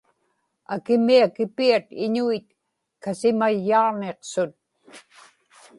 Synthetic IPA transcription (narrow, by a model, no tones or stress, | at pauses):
akɪmiakɪpiat̪ɪɲuit̪̚ | kasɪmajːɑʁneqsʊt̪̚